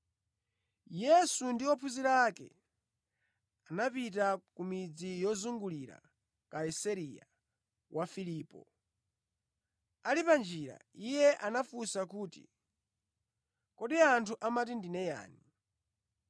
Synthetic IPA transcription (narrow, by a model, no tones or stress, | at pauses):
jɛsundiɔpʰuziɾakɛ̰ | anapitakumid͡zijɔzuŋɡuliɾa̰ | kaisaɾija̰ | wafiliːpɔ | alipand͡ʒiɾa̰ijɛʔanafusakuːtḭ | kɔɗiantʰuʔamatindinɛja̰ːni